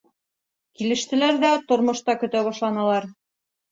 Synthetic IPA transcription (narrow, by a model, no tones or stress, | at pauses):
kilɘ̆ʃt̪ɘ̆læɾðæt̪ŏɾmŏʃt̪ɑkɵ̆t̪æβɑʃlˠɑnɑlˠɑɾ